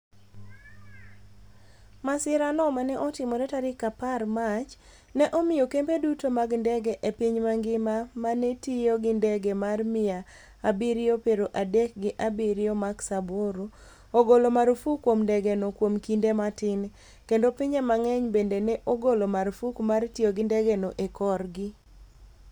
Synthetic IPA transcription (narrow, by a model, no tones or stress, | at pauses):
masɪɾanɔmanɛʔɔtɪmɔɾɛtaɾɪkaparmat͡ʃ | nɛʔɔmɪjɔkembedutomaɡndɛɡɛʔepiɲmaŋɡɪmamanetijoɡɪndɛɡemarmɪja | abiɾjopeɾoʔadɛk̚ɡɪʔabiɾɪjɔmaksaboɾo | oɡolomaɾfukwomndɛɡenokwomkindematɪn | kendopiɲamaŋɛɲbendenɛʔoɡolomaɾfukmartioɡɪndɛɡenoʔekɔrɡɪ